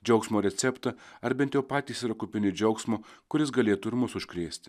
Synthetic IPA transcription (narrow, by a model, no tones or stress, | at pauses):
d͡ʒʲɛʊksmoːɾʲɛt̪sʲɛpt̪ɐɐɾbʲɛnt̪ʲjɛʊpɑːt̪ʲiːsiɾɐkʊpʲɪnʲɪd͡ʒʲɛʊksmoːkʊɾʲɪs̬ɡɐlʲeːt̪ʊɪɾmʊsʊʃʲkɾʲeːsʲt̪ʲɪ̥